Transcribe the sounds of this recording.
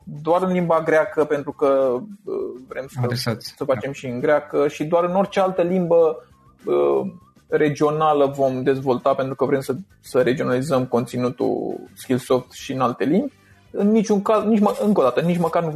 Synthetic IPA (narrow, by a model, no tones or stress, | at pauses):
d̪oaɾɨnlimbaɡɾeakəpent̪ɾukəəvɾe̞msesasəfat͡ʃe̞mʃiɨŋɡɾeakəʃid̪oaɾɨno̞rt͡ʃealt̪əlimbə | ə | re̞d͡ʒio̞naləvo̞md̪e̞zvo̞lt̪ape̞nt̪ɾukəvɾe̞msə | səɾe̞d͡ʒio̞nalizəmko̞nt̪sinut̪ṵskilso̞ft̪ʃiɨnalt̪e̞limbʲ | ɨnːit͡ʃʲuŋkaznit͡ʃməɨŋko̞d̪at̪ənit͡ʃməkarnu